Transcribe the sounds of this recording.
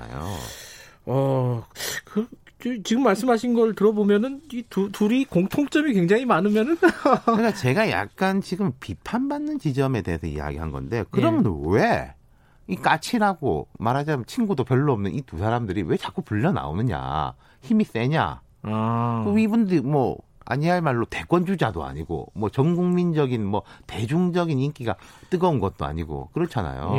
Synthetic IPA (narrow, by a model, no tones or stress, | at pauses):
a̰jo̰ | ʌ | kɯ | t͡ɕot͡ɕiɡɯmːaɭs͈ɯmɦaɕʰinɡʌtɯɾʌbomjʌnɯnitutuɾikoŋtʰoŋt͡ɕ͈ʌmikweŋd͡ʑaŋimanɯmjʌnɯnɯkat͡ɕe̞ɡaja̰k̚k͈ant͡ɕiɡɯmpipʰanbanːɯnt͡ɕid͡ʑʌme̞te̞ɦesʰʌḭja̰ɡḭɦanɡʌ̰nde̞jokɯɾʌmjʌnwe | ik͈at͡ɕʰiɾaɡo̰maɾɦad͡ʑat͡ɕʰinɡudopjʌɭːoʌmnɯnitusʰaɾamdɯɾiwe̞t͡ɕak͈upuʎːʌna̰o̰nɯɲa̰ | çimis͈e̞ɲa̰ | k͈oibundɯɾimwʌ | a̰ɲiɦaɭmaɭːote̞ɡwʌnd͡ʑud͡ʑadoa̰ɲiɡo̰mwʌt͡ɕʌŋɡuŋmind͡ʑʌɡinmwʌte̞d͡ʑuŋd͡ʑʌɡinink͈iɡat͈ɯɡʌunɡʌt̚t͈oa̰ɲiɡo̰kɯɾʌt͡ɕʰana̰jo̰